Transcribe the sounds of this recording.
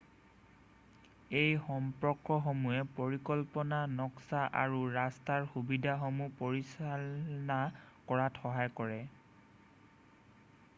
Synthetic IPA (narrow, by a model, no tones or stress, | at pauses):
ejxɔmpɹɔkːɔxomuɛpoɹikɔlpɔnanɔksaʔaɹuɹastaɹxubidʱaxɔmupoɹisalnakɔɹatxɔɦajkɔɹɛ